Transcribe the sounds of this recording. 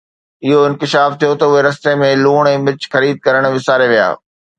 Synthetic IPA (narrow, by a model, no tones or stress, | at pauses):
ɪɦoɪ̃nkɪʃaːft̪ʰijot̪ɐʊɦeɾɐst̪emẽluːɽ̃ɛ̃ːmɪt͡ɕxɐɾiːd̪̚kɐɾəɽ̃ʋɪsaːɾeʋija̰ː